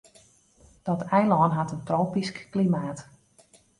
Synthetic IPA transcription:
d̥ɔtʰɛjlɔːnɦatəntrowpiskːlimaːt

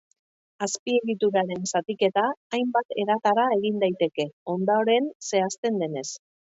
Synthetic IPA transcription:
aspie̞ɣit̪uɾaɾe̞nsat̪ike̞t̪aːjmbat̪e̞ɾat̪aɾae̞ɣind̪ajt̪e̞ke̞o̞nd̪aoɾe̞nse̞ast̪e̞nd̪e̞ne̞s

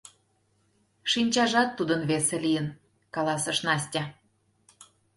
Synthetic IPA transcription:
ʃinʲt͡ɕɑʒɑt̪ːud̪ənβeselijən | kɑlɑsə̆ʃnɑsʲtʲɑ

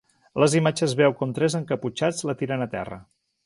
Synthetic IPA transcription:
ləzimad͡ʒəzβɛwkomt̪ɾɛzəŋkəput͡ʃad͡zlət̪iɾənət̪ɛ̰rə̰

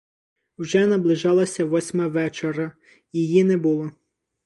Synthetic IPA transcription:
wʒɛnɐblˠɪʒɑlˠɐsʲɐʋɔsʲmɐʋɛt͡ʃeɾɐ | jijinɛbʊlˠɔ

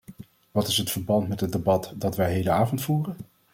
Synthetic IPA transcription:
ʋɑtɪsɦətfəɹbɑntmɛtɦədebɑtdɑtʋɛjɦejləaːvɔntfuːrən

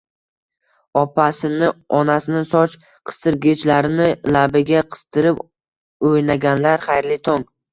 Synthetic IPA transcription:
ɒpʰasɪnɪɒnasɪnɪsɒt͡ʃ | qʰɨ̥st̪ɨɾɡʲet͡ʃlaɾɪnɪlabɪɡʲaqʰɨ̥st̪ʰɪɾɪp | ojnaɡʲanlaɾχajɾlɪt̪ʰɒŋ

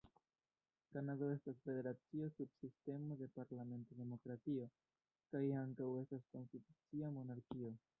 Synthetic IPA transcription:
kanado̞e̞stasfe̞de̞ɾat͡siosubsiste̞mo̞d̪e̞paɾlame̞ntode̞mo̞kɾatio̞ | kajaŋkawe̞stasko̞nstitut͡siamo̞naɾkio̞

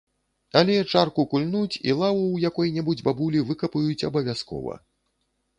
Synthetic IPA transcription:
alʲɛt͡ʂarkukulʲnut͡sʲḭlˠavuwjakɔjnʲɛbud͡zʲbabulʲivɨkɐpujut͡sʲɐ̰bɐvʲaskɔ̰vɐ̰

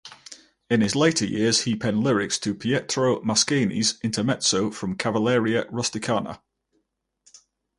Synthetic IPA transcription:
ɪ̃nɪzleɪtʰəjɪəz̥hipʰɛ̃nlɪɹɪkstʰəpʰiɛtʰɹ̥oʊmaskeɪnḭzɪ̃ntʰəmɛtsoʊfɹə̃mkʰavəlɛːɹiəɹʌstɪkʰɑːnə̰

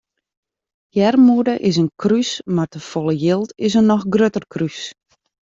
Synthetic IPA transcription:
jɛrmudəʔɪsənkʰrysmartəfɔlˠəjɪlˠtɪs̬ənɔxɡrøtərkʰrys

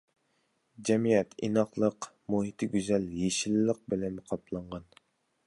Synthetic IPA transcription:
d͡ʒɛmijɛt̪ʰḭnɑχlˠəq | muɦit̪ʰɪɡʲyzɛljeʃilːəq̚bɪlɛnqʰɑplˠɑɴʁɑn

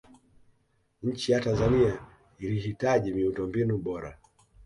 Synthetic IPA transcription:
ɲ̩t͡ʃijatanzania | iliɦitaʄimiutɔmbinuɓɔɾa̰

